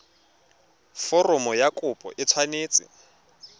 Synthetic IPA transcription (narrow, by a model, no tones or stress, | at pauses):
fɔrɔmɔjakʼʊpʼɔ̰ʔɪt͡sʰwaneːt͡sʼɪ̰